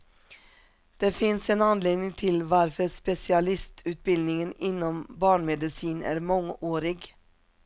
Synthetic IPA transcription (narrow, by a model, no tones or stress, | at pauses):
d̪̥eːfɪnseːnɑnleːd̪nɪŋt̪ʰɪlʋɑɾfœspɛsɪɑlɪst̪ʰʉːt̪̚bɪld̪nɪŋənɪnːɔmbɑːɳmɛd̪ɪsiːnæ̰ːɾmɔŋoːɾɪɡ